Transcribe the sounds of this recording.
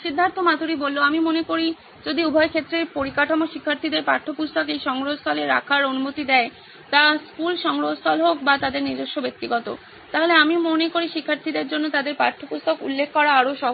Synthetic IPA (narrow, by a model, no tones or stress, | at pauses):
ʃid̪ʱːant̪ʰomat̪uɾibolːoamimonekoɾi | d͡ʑod̪iubʱɔekʰet̪ːɾepoɾikaʈʰamoʃikʰːaɾt̪ʰid̪eɾpa̰ʈʰːopust̪okejʃɔŋɾoɦost̪ʰɔleɾa̰kʰaɾonumot̪id̪ɛe | t̪askulʃɔŋɾoɦost̪ʰɔlɦok̚bat̪ad̪eɾniɾd͡ʑoʃːobek̚t̪iɡɔt̪o̰ | t̪aɦoleamimonekoɾiʃikʰːaɾt̪ʰid̪eɾd͡ʑonːot̪ad̪eɾpaɾʈʰːopust̪ʰokṵlːekʰːɔɾaaɾoʃɔ